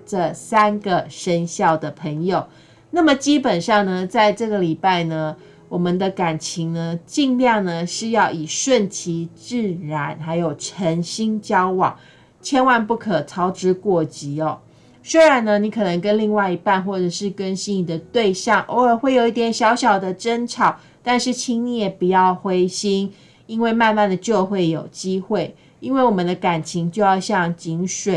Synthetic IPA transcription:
ʈ͡ʂə˥˧sa˥nɡə˨ʂə˦nɕjɑ˥˩ʊd̪ə˩pʰə˧˥ŋjo˨˩ʊ | na˥˩mə˨t͡ɕi˦˥pə˨˩nʂɑ˥˩ŋnə˩t͡sa˥˧ɪʈ͡ʂɤ˥˩ɡə˨li˨˩pa˥˩ɪnə˩ | wɔ˨˩mə˨nd̪ə˧ka˨˩nt͡ɕʰi˧˥ŋnə˧t͡ɕi˥˧ŋljɑ˥˩ŋnə˧ʂɻ̩˥˧jɑ˥˩ʊʔi˨˩ʂwə˥˨nt͡ɕʰi˧˥˦ʈ͡ʂ̩˥˩ɻa˧˥nxa˧˥ɪjo˨˩ʊʈ͡ʂʰə˧˥ŋɕi˥ŋt͡ɕjɑ˥ʊwɑ̰˨˩˦ŋ | t͡ɕʰjɛ˥nwa˧˥npu˥˩kʰə˨˩t͡sʰɑ˥ʊʈ͡ʂɻ̩˧˥kwɔ˥˩t͡ɕi˧˥ɔ˧ | swe˥ɪɻa˧˦nːə˧ni˧˥kʰɤ˨˩nə˧˥ŋkə˦˥nli˥˧ŋwa˥˩ɪi˧˥pa˥˧nxwɔ˥˩ʈ͡ʂɤ˨˩ʂɻ̩˥˩kə˦nɕi˥ni˨˩d̪ə˩t̪we˥˧ɪɕjɑ˥˨˩ŋʔo˧˥ə˨˩xwe˥˩ɪjo˨˩ʊi˥˩t̪jɛ˨˩nɕjɑ˧˥ʊɕjɑ˨˩ʊd̪ə˨ʈ͡ʂə˥nʈ͡ʂʰɑ˨˩˦ʊ | t̪a˥˧nʂɻ̩˥˩t͡ɕʰi˥ŋni˧˥˩jɛ˨˩pu˨˩jɑ˥˩ʊxwe˥ɪɕi˥ŋ | i˥nwe˥˧ɪma˥˧nma˥˩nd̪ə˩t͡ɕjo˥˧ʊxwe˥˩ɪjo˨˩ʊt͡ɕi˦˥xwe˥˩ɪ | i˥nwe˥˩ɪwɔ˨˩mə˨nd̪ə˧˦ka˨˩nt͡ɕʰi˧˥ŋt͡ɕjo˥˧ʊjɑ˥˧ʊɕjɑ˥˨˩ŋt͡ɕi˧˥ŋʂwe˨˩˦

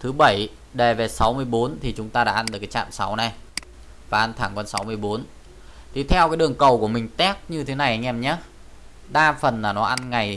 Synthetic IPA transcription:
t̪ʰɨ˨˦ɓə˧˩j | ɗe˨˩ve˨˩sa˨˦wmɨ˧əjɓo˨˦nt̪ʰi˨˩t͡ɕʊ˨˦ŋ͡mt̪aː˧ɗa̰ː˧˥ʔa˧nɗɨ˨˩kaː˨˦t͡ɕa̰ː˧˨msa˨˦wna˨˩j | vaː˨˩ʔa˧nt̪ʰaː˧˩ŋkɔ˧nsa˨˦wmɨ˧əjɓo˨˦n | t̪ʰi˨˩t̪ʰɛ˧wkaː˨˦ɗɨ˨˩əŋkə˨˩wku˧˩əmï˨˩ŋ̟t̪ɛ˦˥p̚ɲɨ˧t̪ʰe˨˦na˨˩jʔŋɛ˧mɲaː˨˦ | ɗaː˧fə˨˩nlaː˨˩nɔ˨˦ʔa˧nŋa˨˩j

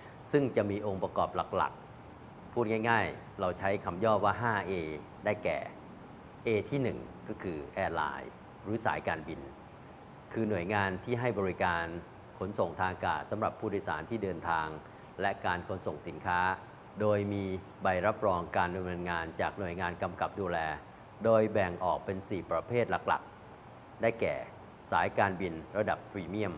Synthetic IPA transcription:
sɯ˥˩ŋt͡ɕa˨˩ʔmiː˧ʔo˧ŋpɾa˧kɔ̰ː˨˩p̚la̰˨˩k̚la̰˨˩k̚ | pʰuː˥˩t̪̚ŋa˥˩jŋaː˥˩j | ɾa˧wt͡ɕʰa˦˥jkʰa˧mjɔː˥˩p̚waː˥˩ɦaː˥˩ʔeː˧ | daː˥˩jkɛ̰ː˨˩ | ʔeː˧t̪ʰiː˥˩nɯ˨˩ŋkɔː˥˩kʰɯː˧ʔɛː˧la̰ː˧j | ɾɯː˨˦sa̰ː˩˦jkaː˧nbi˧n | kʰɯː˧nu˨˩əjŋaː˧nt̪ʰiː˥˩ɦa˥˩jbɔː˧ɾi˦˥kaː˧n | kʰo˩˦nso˨˩ŋt̪ʰaː˧ŋkaː˨˩t̪̚sa˩˦mɾa˨˩pʰːuː˥˩du˥˩jsa̰ː˩˦nt̪ʰiː˥˩dɤː˧nt̪ʰaː˧ŋ | lɛ˦˥kaː˧nkʰo˩˦nso˨˩ŋsi˩˦nkʰaː˦˥ | doː˧jmiː˧ | ba˧jɾa˦˥p̚ɾɔː˧ŋkaː˧nda˧mnɤː˧nŋaː˧nt͡ɕaː˨˩k̚nu˨˩əjŋaː˧nka˧mka˨˩p̚duː˧lɛː˧ | doː˧jbɛ˨˩ŋʔɔː˨˩k̚pe˧nsiː˨˩pɾa˧pʰeː˥˩t̪̚la˨˩k̚la̰˨˩k̚ | daː˥˩jkɛ̰ː˨˩ | saː˩˦jkaː˧nbi˧nɾa˧da˨˩pʰːɾiː˧mi˥˩əm

